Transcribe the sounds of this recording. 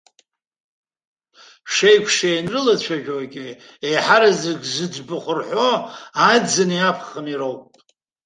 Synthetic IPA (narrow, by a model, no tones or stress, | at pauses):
ʂejkʷʰʂajnrɨlat͡ɕʷʰaʒᶣoaɡʲɪ | ejħaɾazɪɡʲzɨd͡ʒʷbɨχʷʊrħoajd͡zɨniapʰχəniɾowpʼ